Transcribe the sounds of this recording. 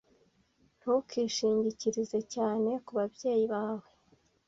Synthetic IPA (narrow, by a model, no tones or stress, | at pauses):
n̥hukʰiʃiːɲɟiciɾize̞caːne̞kuβabje̞ːjiβaːwe̞